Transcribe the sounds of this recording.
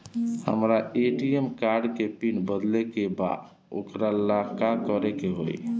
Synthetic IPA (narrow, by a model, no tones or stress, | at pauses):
hə̰mɾaeʈiemkaɾɖkepinbəd̪lekeba̰d̪ | o̰kɾalakakəɾɛkeɦo̰j